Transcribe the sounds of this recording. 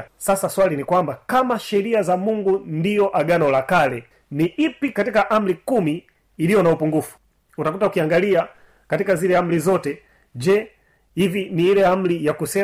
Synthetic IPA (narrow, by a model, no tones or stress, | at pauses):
sasaswalinikwambakamaʃɛɾiazamuŋɡundijɔʔaɡanɔlakalɛ | niʔipikatikaʔam̩likumiː | lijɔnaupuŋɡufu̥ | utakutaukiaŋɡalia | katikazilɛam̩lizɔtɛ | d͡ʒɛ | iviniilɛam̩lijakusɛ